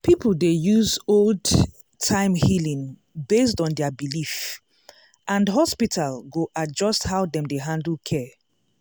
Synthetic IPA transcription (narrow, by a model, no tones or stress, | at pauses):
pʰipl̩ˠdejuzold | tʰãɪ̃mhilĩŋ | bestɔ̃ndɛabilif | ʔãndɦɔspitʰalɡoʔad͡ʒɔsthaʊdɛ̃mdeɦãndl̩ˠkʰɛ